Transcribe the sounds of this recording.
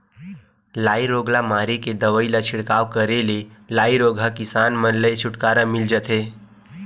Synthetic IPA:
laːiɾoːɡlamaːɾeked̪əʋəilat͡ʃʰɪɽkaːwkəɾelelaːiɾoːɡʱakɪsaːnmənləjt͡ʃʰʊʈkaːɾamɪld͡ʒət̪ɦeː

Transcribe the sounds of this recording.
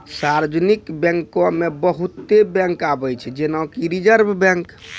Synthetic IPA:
saɾd͡ʒnikbɛ̃ŋkõmebəɦut̪ːebɛ̃ŋkabəjt͡ʃʰɛd͡ʒenaõkiɾid͡ʒəɾbʱbɛ̃ŋk

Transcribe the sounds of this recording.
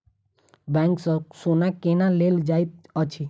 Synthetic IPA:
bɛ̃ŋkssonakenaleld͡ʒait̪̚ət͡ʃʰi

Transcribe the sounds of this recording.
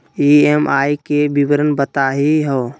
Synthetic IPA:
iemʔaːikebiwəɾənbət̪aɦiɦoː

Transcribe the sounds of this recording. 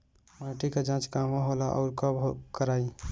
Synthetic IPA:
maʈiked͡ʒãt͡ʃkaʋaɦolaʔɔ̰ʊɾkəbkəɾai

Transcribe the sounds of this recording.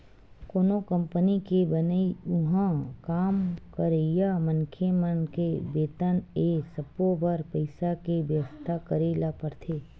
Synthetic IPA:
koːnokə̃mpənikebənəiʊɦãkaːmkəɾejamə̃ŋkʰemənkebeːt̪ənesɐpobəɾpəɪsakeʋjəʋəst̪ʰakəɾeːlapəɾt̪ʰeː

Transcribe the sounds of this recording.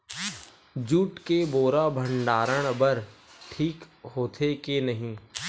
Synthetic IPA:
d͡ʒuːʈkeboːɾabʱə̃ɳɖaːɾəɽ̃bəɾʈʰiːkɦoːt̪ʰekenɐɦĩː

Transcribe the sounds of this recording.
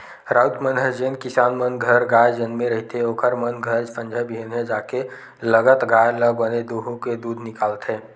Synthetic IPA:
ɾaːt̪mənɦəd͡ʒenkɪsaːnmənɡʱəɾɡaːjd͡ʒɐnmẽɾɐɦit̪eoːkʰəɾmənɡʱəɾd͡ʒpə̃nd͡ʒʱəbʱinɦẽd͡ʒaːke | ləɡət̪ɡaːjləɡəned̪oːɦõked̪uːd̪ʱnɪkaːlt̪ɦɛ̃ː

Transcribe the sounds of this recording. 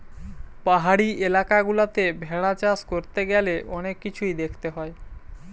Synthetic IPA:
paɦaɽiʔelakaɡulat̪ebʱɛɽat͡ɕaskoɾt̪eɡɛleʔɔnekːit͡ɕʰujd̪ekʰt̪eɦɔe

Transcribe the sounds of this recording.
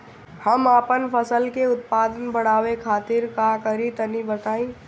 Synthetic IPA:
həmaːpənpʰəsəlkeʊt̪̚paːd̪ənbəɽ̃aːwekʰaːt̪ɪɾkakəɾit̪ənibət̪aːĩ

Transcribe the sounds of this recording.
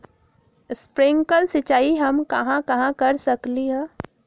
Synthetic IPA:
ɪspɾɪ̃ŋkəlsɪt͡ʃaːiɦɐmkɐɦãkɐɦãkɐɾsəkliɦɛ̃

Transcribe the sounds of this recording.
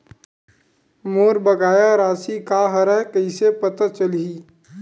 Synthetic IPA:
moːɾbəɡaːjaɾaːsikaɦəɾəɦkəisepət̪at͡ʃəliː

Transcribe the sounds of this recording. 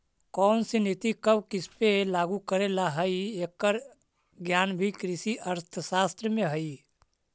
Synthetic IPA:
kɔːnsinet̪ikəbkɪspelaːɡukəɾelaɦəieːkːəɾ | ɡjaːnbʱikɾɪsiʔəɾt̪ʰəsaːst̪ɾəmẽɦəi

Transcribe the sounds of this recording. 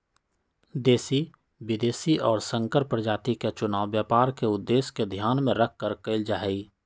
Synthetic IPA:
d̪eːsi | wɪd̪eːsiʔɔːɾsə̃ŋkəɾpɾəd͡ʒaːt̪iket͡ʃʊnaːwːjaːpaːɾkeʊd̪ːeːsked̪ʱjaːnmẽɾəkʰkəɾkəɪld͡ʒaːɦi

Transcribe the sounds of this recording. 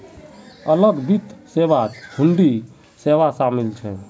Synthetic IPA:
ələɡbit̪ʰːseʋat̪uɳɖi | seʋasamilt͡ʃʰɛ

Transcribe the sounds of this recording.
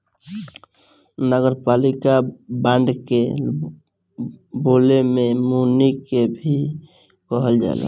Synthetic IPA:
nəɡəɾpalikabãɳɖke | bolememunikebʱi | kəɦəld͡ʒa̰la̰

